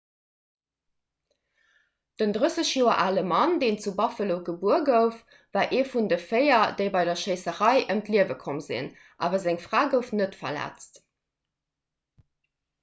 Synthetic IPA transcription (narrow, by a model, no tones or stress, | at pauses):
d̥əndʁəsəɕjoːɐ̰ʔaːləmɑndeːnt͡subɑfəloʊɡəbuɐɡəʊf | vaːʔeːfundəfɜɪɐdəɪbɑɪdɐʃəɪsəʁɑɪʔəmtliəvəkʰomzḭn | ʔa̰ːvɐzæŋfʁaːɡəʊfnətfɐ̰læ̰t͡st